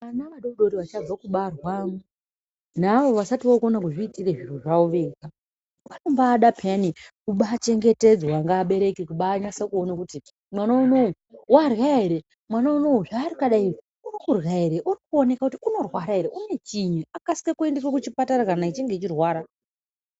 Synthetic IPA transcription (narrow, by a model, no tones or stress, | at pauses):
anaʋaɗouɗo̞ɾiʋat͡ʃab͡vakuɓarwamu | naʋo̞ʋasatiʋakonakuʐiːtireʐiruʐauʋeka | panombaːɗapʰanikuɓaːt͡ʃe̞ŋɡe̞te̞d͡zwaŋɡaːɓe̞ɾe̞kikuɓaːɲasakuo̞nakuti | mwanouno | warwaeɾe | mwanounouʐaːɾikaɗai | urikurɣaeɾeʔurikuone̞kakutiuno̞rwaɾaɦeɾeʔune̞t͡ʃiɲaakasi̥kekue̞nderwakut͡ʃipatarakanait͡ʃiŋɡe̞t͡ʃirwaːɾa